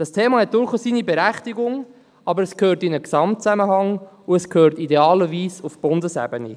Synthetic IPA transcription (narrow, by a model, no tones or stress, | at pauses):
d̥ɑstʰeːmɑhɛt̚d̥ʊɾχosiːnibɛɾæχtiɡʊŋ | ɑbəɾəskʰhøːɾtɪnəksɑmtt͡sæməɦɑŋ | uəskʰhøːɾtideɑːləviːsufb̥ʊndəsɛ̰bənḭ